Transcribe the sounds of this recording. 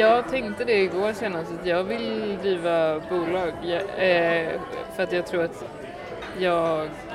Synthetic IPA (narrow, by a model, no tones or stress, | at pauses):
jɑːɡt̪ʰɛŋkt̪əd̪ɛɪɡoːɾseːnast̪at̪jɑːɡvɪld̪ɾiːvabuːlɑːɡ | fœɾat̪jɑːɡt̪ʰɾuːɾat̪ | jɑːɡ